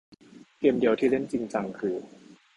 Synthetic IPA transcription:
keː˧mdi˧əwt̪ʰiː˥˩le˥˩nt͡ɕi˧ŋt͡ɕa˨˩ŋkʰɯː˧

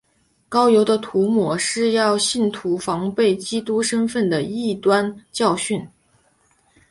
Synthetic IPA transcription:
kɑ˥ʊjo˧˥ʊd̪ə˧t̪ʰu˧˥mwɔ˨˧˩ʂɻ̩˥˧jɑ˥˧ʊɕi˥˩nt̪ʰu˧˥fɑ˧˥ŋpe˥˩ɪt͡ɕi˥t̪u˥ʂə˥nfə˥˩nd̪ə˩i˥˩t̪wa˥nt͡ɕjɑ˥˧ʊɕy˥˩n

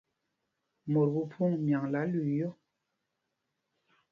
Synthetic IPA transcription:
mɔ˨ɾbu˦pʰu˦˨ŋmja˨ŋla˨˦li˨jɔ˦˨

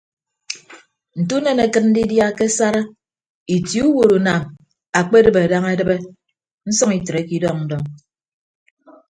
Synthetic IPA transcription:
n̩˨tu˦ne˨ne˨kɨ˦t̚n̩˦di˦dja˦ke˦sa˦ɾa˦ | i˨tju˦wo˨ɾu˨na˨m | a˨k͡pe˦dɨ˦be˨a˨da˦ŋe˦dɨ˦be˦ | n̩˦sɔ˦ŋi˨tɾe˨˦ki˦dɔ˦ŋ̚n̩˦dɔ˦ŋ

